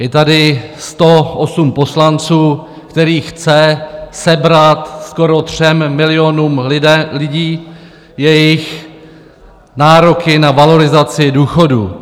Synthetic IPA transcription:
jɛt̪adɪst̪o̞ʔosumpo̞slant͡suː | kt̪ɛɾiːxt͡sɛsɛbɾat̪sko̞ɾo̞t̪r̝̥ɛmːɪlɪo̞nuːmɪlɪɟiː | jɛjɪx | naːɾo̞kɪnavalo̞ɾɪzat͡sɪduːxo̞dṵː

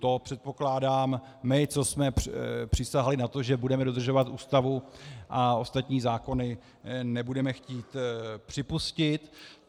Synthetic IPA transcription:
t̪o̞pr̥ɛt̪̚po̞klaːdaːmː | ɪt͡so̞smɛpr̥ɪsaɦalɪnat̪o̞ʒɛbudɛmɛdo̞d̪r̩ʒo̞vat̪ʔuːst̪avuʔao̞st̪at̪ɲiːzaːko̞nɪ | nɛbudɛmɛxciːt̪pr̝̥ɪpuscɪt̪

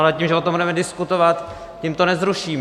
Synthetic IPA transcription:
alɛciːmʒɛot̪ombudɛmɛdɪskut̪ovat̪ | cimt̪onɛzɾuʃiːm

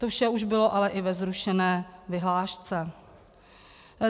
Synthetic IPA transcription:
t̪ofʃɛuʒbɪlo̞ʔalɛʔɪvɛzɾuʃɛnɛːvɪɦlaːʃt͡sɛ

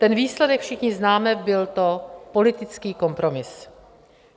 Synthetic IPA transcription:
t̪ɛnviːslɛdɛkfʃɪxɲɪznaːmɛbɪlt̪o̞po̞lɪt̪ɪt͡skiːko̞mpɾo̞mɪs

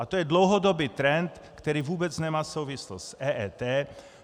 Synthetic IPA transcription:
ʔat̪ojɛdlowɦodobiːt̪ɾɛnt̪ | kt̪ɛɾiːvuːbɛt͡snɛmaːsowvɪslo̰ssʔɛːʔɛt̪ɛː

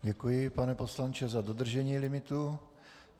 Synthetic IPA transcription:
ɟɛkujɪpanɛpo̞slant͡ʃɛzado̞d̪r̩ʒɛɲiːlɪmɪt̪u

